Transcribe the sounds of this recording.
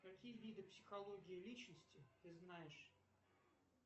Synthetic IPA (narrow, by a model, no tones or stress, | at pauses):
kɐkʲijəvʲid̪ɨpsʲɪ̥xɐlˠo̞ɡʲɪɪlʲit͡ɕnəsʲtʲɪt̪ɨznajɪʂ